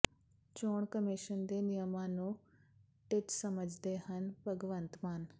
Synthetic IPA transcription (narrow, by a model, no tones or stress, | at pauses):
t͡ʃoːɽ̃kəmɪʃənd̪eːnijəmãːnũː | ʈɪʈsəməd͡ʒʱd̪eːɦənpəɡʋə̃nt̪maːn